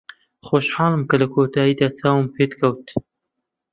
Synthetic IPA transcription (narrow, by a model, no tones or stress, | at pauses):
xoːʃħaːlˠɨmkɐlɐkʰoːt̪ʰaːjiːd̪aːt͡saːwɨmpʰeːt̪kʰɐwt̪